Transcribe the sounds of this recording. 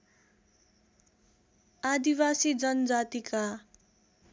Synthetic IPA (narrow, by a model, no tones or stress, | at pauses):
ad̪iwasid͡zʌnʌd͡zat̪ika